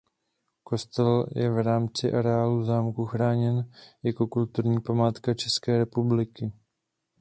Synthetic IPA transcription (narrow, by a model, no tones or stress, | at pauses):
ko̞st̪ɛljɛ̰vɾaːmt͡sɪʔaɾɛaːluzaːmkuxɾaːɲɛnjako̞kult̪uɾɲiːpamaːt̪kat͡ʃɛskɛːɾɛpublɪkɪ